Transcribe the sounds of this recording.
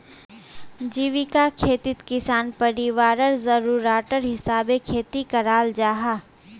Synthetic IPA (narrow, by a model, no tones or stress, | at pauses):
d͡ʒiːʋɪkakʰeːt̪ɪt̪kɪsaːnpɐɾiʋaːɾəɾzəɾuːɾaːʈəɾɦɪsaːbekʰeːt̪ikɐɾaːld͡ʒaːɦaː